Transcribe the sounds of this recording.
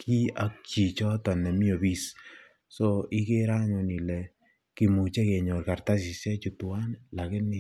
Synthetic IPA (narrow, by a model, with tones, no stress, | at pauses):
kʰi˦a˦k̚t͡ʃi˨t͡ʃɔ˦tɔ˨nɛ˨mi˦o˨bi˦s | so˦ɪ˦ke˦ɾa˦ɲo˨ni˨lɛ˨ | ki˨mu˨t͡ʃe˦ke˨ɲo˨ɾka˨ɾta˦s̬ɪ˨sɛ˦t͡ʃu˨tu˨wa˦nla˨kɪ˦nɪ˦